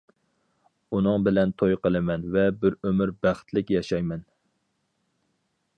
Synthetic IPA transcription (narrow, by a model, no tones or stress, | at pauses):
unɨŋbɪlɛnt̪ʰojqəlˠɨmɛnvɛbɪɾømyɾbæχt̪lɪkʲjɑʃɑjmɛn